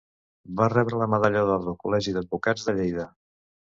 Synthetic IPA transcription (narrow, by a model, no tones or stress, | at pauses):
barɛβɾələməðaʎaðɔɾðəlˠkulɛʒiðəd̪̚bukad͡zðəʎejðə